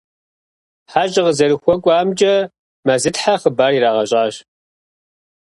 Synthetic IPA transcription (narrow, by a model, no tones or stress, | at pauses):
ħaːʑʼɪʁəzɐɾɨxʷɔkʷʼaːmd͡ʒʼɐ | mazɨtħaχəbaːɾiːɾaːʁɐɕʼaːɕ